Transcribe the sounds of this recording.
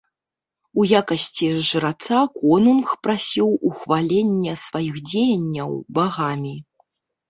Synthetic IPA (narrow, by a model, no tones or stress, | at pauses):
ujakɐsʲt͡sʲiʐɨɾat̪sakɔnumxpɾasʲiwuxvalʲenʲːɛsvajixd͡zʲejɐnʲːɐwbaɣamʲi